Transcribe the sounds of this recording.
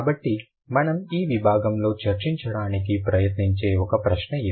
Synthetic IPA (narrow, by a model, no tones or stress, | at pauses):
bɐʈːi | mɐnɐmiːʋibʱaːɡɐmlo̞ːt͡ʃɐɾt͡ʃiɲt͡ʃɐɽaːnikipɾɐjɐt̪niɲt͡ʃe̞ːɔkɐpɾɐʃnɐe